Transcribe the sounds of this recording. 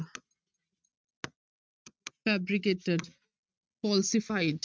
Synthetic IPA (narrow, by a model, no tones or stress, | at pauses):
fæbɾikeʈeɖ | fɔlsifaɪɖ